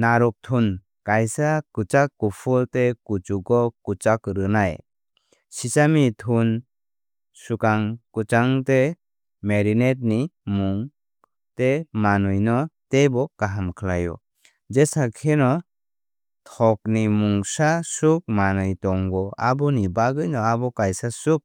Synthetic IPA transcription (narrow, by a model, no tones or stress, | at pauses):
naɾɔk̚tʰun | kajsakut͡ʃakːupʰultekut͡ʃukɔkut͡ʃakɾɯnaj | sisamitʰun | sukaŋkut͡ʃaŋte | meɾinet̬̚nimuŋ | temanɯjnɔtebɔkaɦamkʰlajɔ̰ | d͡ʒesakʰenɔ | tʰɔk̚nimuŋsasuk̚manɯjtɔŋɡɔabɔnibaɡɯjnɔabɔkajsasuk̚